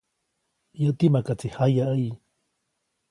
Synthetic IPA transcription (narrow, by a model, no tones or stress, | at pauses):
jat̪imakat͡sihajaʔəj